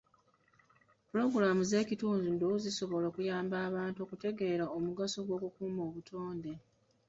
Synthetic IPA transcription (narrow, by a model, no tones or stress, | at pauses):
puɾo̞ɡuɾamuze̞ːcituːnzundouziso̞βo̞lokujaːmbaːβaːntuokute̞ɡe̞ːɾaomuɡasoɡwo̞ːkukuːmo̞ːβutʰo̞ːnde̞